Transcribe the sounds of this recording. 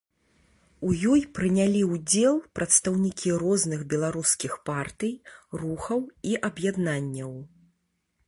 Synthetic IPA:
ujɔjpɾɨnʲalʲiud͡zʲɛlˠpɾʔɐt̪st̪ɐwnʲikʲiɾɔznɨɣbʲɛlˠaɾuskʲixpart̪ɨjruxɐwiʔɐbjad̪nanʲːɐw

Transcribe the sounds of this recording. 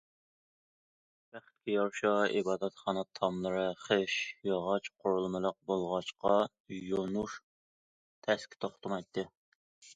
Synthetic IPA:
b̥æχt̪̚kʲʰijɑɾʃɑibɑːd̪ɛt̪χɑnɑt̪ʰɑmlˠəɾɨχeʃjɑʁɑt͡ʃqʰoɾulˠmɨlˠəq̚bolˠʁɑʃqɑ | jonuʃ | t̪ʰɛskʲi̥t̪ʰoχt̪ʰɨmɑjt̪ʰːɨ

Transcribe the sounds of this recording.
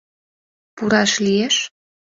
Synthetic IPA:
puɾɑʃlieʃ

